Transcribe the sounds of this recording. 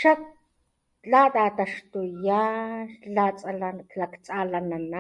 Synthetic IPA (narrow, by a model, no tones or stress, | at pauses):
ʃak | t͡ɬat̪at̪aʃt̪ujalat͡sʼalalakt͡sʼalanana